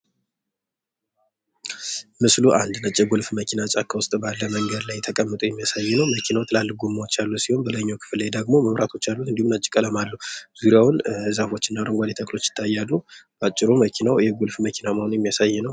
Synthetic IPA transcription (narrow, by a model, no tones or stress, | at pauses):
mɨsluʔand̪nət͡ʃʼːɛɡulfməkʰinat͡ʃʼakʰːəwʊst̪ʼbalːəməŋɡəd̪lajt̪ʰəkʼəmːɨt̪ʼujɛmːijasajːɛnəwməkʰinawt̪ʰɨlalːɨɡumːawot͡ʃːalːusihonbəlaɲːawkʰɨ̥flːajd̪əɡmo̞məmɾat̪ʰo̞t͡ʃːalːuɨnd̪ihumnat͡ʃʼːɪkʼələmalːəhz̥uɾijawʊnzafo̞t͡ʃːɪnːaɾəŋɡʷalet̪ʰəkʼlo̞t͡ʃːjɪ̥t̪ʰːajːalːubat͡ʃʼːɪɾoməkʰinawjɛɡulfməkʰinaməho̞njɛmːijasajːɛnəw